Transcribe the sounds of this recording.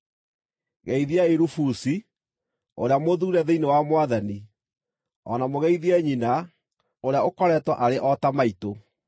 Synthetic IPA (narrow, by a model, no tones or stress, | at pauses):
ɣɛiðiaeɾufusi | o̰ɾeamoðuːɾɛðeinewamwaðani | ɔ̰namoɣɛiðiɛɲina | oɾeaokɔɾɛtwaʔaɾeʔɔtamaito